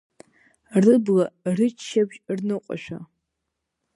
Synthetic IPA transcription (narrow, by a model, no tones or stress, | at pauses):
rɨbɣɐrɨt͡ʃʰːɐbʒʼrnɨqʷʼɔ̰ʃʷᶣa̰